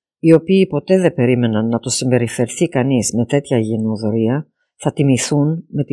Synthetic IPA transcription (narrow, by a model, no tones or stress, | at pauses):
io̞piːpo̞t̪e̞ðe̞be̞ɾime̞nɐnːɐt̪osimbe̞ɾife̞ɾθikɐnizme̞t̪e̞t̪çɐʝenuðo̞ɾiɐ | θɐt̪imiθunme̞t̪